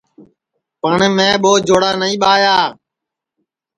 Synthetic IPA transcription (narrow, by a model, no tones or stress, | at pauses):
pəɳmẽːɓoːd͡ʒʱoːɽaːnəĩːɓaːjaː